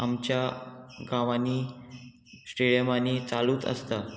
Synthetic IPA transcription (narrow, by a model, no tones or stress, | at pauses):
amt͡ɕjaɡãʋaniː | sʈeɽjəmaniːt͡saluːt̪ə̰st̪a